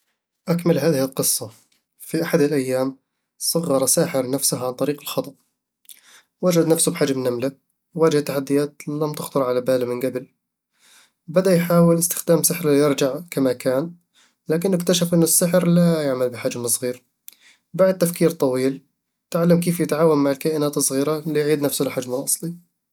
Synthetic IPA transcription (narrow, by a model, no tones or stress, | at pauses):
ʔakmalɦaːðɪhɪlqɨsˤːɑ | fiʔaħad̪ɪlʔajːaːm | sˤɑɣːɑɾˤɑsaːħɪɾnafsʊhʕant̪ˤɑɾiːqɪlxɑt̪ˤɑʔ | wad͡ʒad̪nafsʊbħaːd͡ʒamnamla | wwaːd͡ʒɪht̪ːaħad̪ːɪjaːt̪lamt̪ɪxt̪ʊɾˤʕalabaːlamɪnɡabl | bɪd̪ajħaːwɪlɪst̪ɪ̥xd̪aːmsɪħɾɪlijɪɾˤd͡ʒaʕkamakaːn | laːk̬ɪnːɪkt̪aʃafʔɪnːʊsːɪħɾlajaʕmalbɪħad͡ʒmɨsˤɣiːɾ | baʕd̪̚t̪ːafkiːɾt̪ˤɑwiːl | t̪ɪʕalːamkeːfjɪt̪ʕaːwanmːaʕɪlkaːʔɪnaːt̪ɨsˤɣiːɾalijʕiːd̪nafsʊlɪħad͡ʒmɪlʔɑsˤli